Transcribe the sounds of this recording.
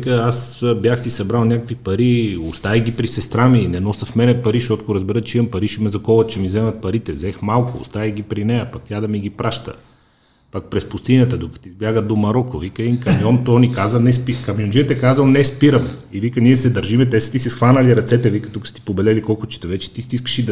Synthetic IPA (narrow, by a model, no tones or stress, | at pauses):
ikəasbjaxsisɐbɾalˠnʲakəkvipɐɾiost̪aiɡipɾisɛst̪ɾaminɛnɔsəfmɛnɛpɐɾiʃɔt̪koɾɐzbɛɾət͡ʃiəmpɐɾiʃimɛzɐkɔvət̪̚t͡ʃɛmizɛmɐt̪̚pɐɾit̪ɛvzɛxmalˠkʊo̰st̪aiɡipɾinɛjɐpɐk̚t̪ʲad̪ɐmiɡʲipɾaʃt̪ə̰ | pak̚pɾɛspʊst̪inʲət̪əd̪okɐ̥t̪izbʲjaɡəd̪omɐɾɔkovikəɛinkɐmjɔnt̪ɔnikazənɛspikɐmjond͡ʒiət̪ɛkazəlˠnɛspiɾəmivikəniɛsɛd̪ɐɾʒimɛt̪ɛsə̥t̪isɛsxvanɐliɾɐt̪sɛt̪ɛvikət̪ukəst̪i̥pobɛlɛlikɔlˠkʊt͡ʃɛ̥t̪ɛvɛt͡ʃɛ̥t̪ist̪iskə̥ʃid̪